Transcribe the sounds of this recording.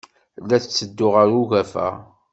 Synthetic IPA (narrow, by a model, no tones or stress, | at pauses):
lːæθt͡sːəd̪ːʊʁəɾuɣæfæ̰